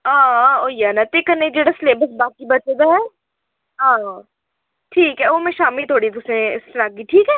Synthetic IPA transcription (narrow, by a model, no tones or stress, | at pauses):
ãːoːjanɐt̪ekːɐɾned͡ʒeːɽasleːbəsbaːkibɐt͡ʃed̪aɦɛː | ɦãː | ʈʰiːkɦɛomẽʃaːmilt̪ʰoːɽit̪ʊsẽɪsɐɾaːɡiːʈʰiːkɦɛː